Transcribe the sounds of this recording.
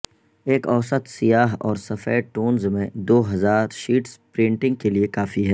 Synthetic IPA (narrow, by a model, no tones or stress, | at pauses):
eːkɔːsət̪sijaːɦɔ̰ːɾsɐfɛːʈoːnzmẽd̪oːɦɐzaːɾʃiːʈspɾɪ̃ːɳʈɪ̃ŋɡ̚keliekaːfiɦɛː